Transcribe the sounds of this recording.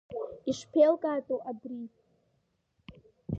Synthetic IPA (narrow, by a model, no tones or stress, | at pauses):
iʂpʰelkʼaːtʼoʔabri